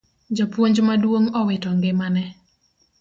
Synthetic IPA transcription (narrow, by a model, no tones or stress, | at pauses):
d͡ʒɔpwoɲd͡ʒmadwoŋɔwɪtɔŋɡɪmanɛ